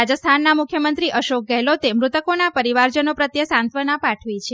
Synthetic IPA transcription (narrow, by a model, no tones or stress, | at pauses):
ad͡ʒəst̪ʰanːamukʰjəmənt̪ɾiʔəʃok̚ɡɛɦlot̪emɾut̪əkonapəɾiʋaɾd͡ʒənopɾət̪jəsãnt̪ʰʋənapaʈʰʋit͡ʃʰe